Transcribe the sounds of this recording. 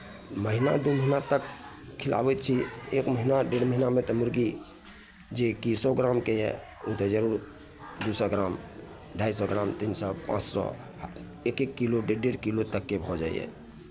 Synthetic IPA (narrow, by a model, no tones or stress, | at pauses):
məɦina̰d̪oməɦinat̪ək | kʰila̰bɛt̪̚t͡ʃʰiekməɦinaɖeɽməɦinamẽt̪ɔmʊɾɡi | d͡ʒekisɔɡɾamkeɦɛ̰ | ut̪ɛd͡ʒəɾuɾ | d̪usɔɡɾaːm | ɖʱaisɔɡɾaːmt̪insɔpã̰t͡ʃsɔ̰ | ekekːiloɖeɖeɽkilot̪əkːebʱɔd͡ʒaḭɛ̰